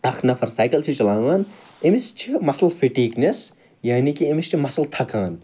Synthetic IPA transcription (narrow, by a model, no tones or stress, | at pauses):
ɐkʰnɐfʰɐɾsaːjkɐlt͡ʃʰit͡ʃɐlãːʋaːn | emist͡ʃʰimɐsɐlfiʈiːknɐs | jaːnikiemist͡ʃʰimɐsɐlt̪ʰɐkaːn